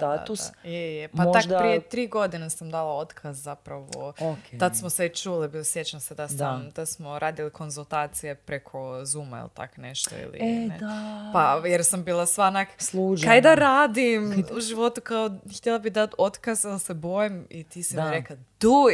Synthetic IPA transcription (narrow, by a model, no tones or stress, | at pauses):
st̪ad̪usjejjepat̪akppɾijet̪ɾiːɡo̞d̪inesamd̪alˠaot̪kʰazzapɾaʋo̰oket̪at̪smoset͡ʃuːlibilsjet͡ɕamsed̪asamd̪̥asmoɾʔaːd̪iliko̞nzulˠt̪aːt̪sijepɾekʰo̞zuːmaḭlˠt̪a̰konḛʃt̪o̰ḭlḭapajeɾsambiːlˠasʋanakslˠuːd͡ʒkajd̪aɾaːd̪imuʒiʋo̞t̪ukaoxt̪ʲjelˠabid̪at̪o̞t̪kazd̪ˠsebojimit̪isimiɾekad̪̥u